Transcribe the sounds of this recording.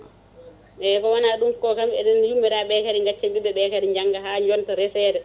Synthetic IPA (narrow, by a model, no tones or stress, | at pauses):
ɓɛkɔwanaɗumkɔkamɛ̰ɗɛnjumːiɾaɓɛkaɾiŋɡat͡ʃːaɓiɓɛɓɛkaɾiɲd͡ʒaŋɡaɦaːɲd͡ʒɔntɔɾɛsɛːɾɛ